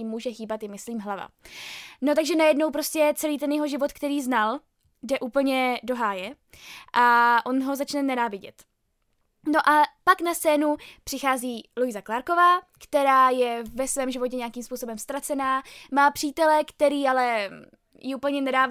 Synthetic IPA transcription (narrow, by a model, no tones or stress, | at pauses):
ɪmːuːʒɛxiːbat̪jɪmɪsliːmɦlava̰ | no̞t̪aɡʒɛnajɛdnowpɾo̞scɛt͡sɛliːt̪̬ɛnjɛɦo̞ʒɪvo̞t̪kt̪ɛɾiːznal | dɛʔuːpl̩ɲɛdo̞ɦaːjɛ | ʔaʔo̞nɦo̞zat͡ʃnɛnɛnaːvɪɟɛ̰t̪ | no̞ʔapaknastt͡sɛːnupr̥ɪxaːziːlujzaklaːɾko̞vaːkt̪ɛɾaːjɛvɛsvɛːmʒɪvo̞cɛɲeakiːmspuːsobɛmst̪ɾat͡sɛnaːmaːpr̥iːt̪ɛlɛkt̪ɛɾiːalɛ | jɪuːpl̩ɲɛnɛdaː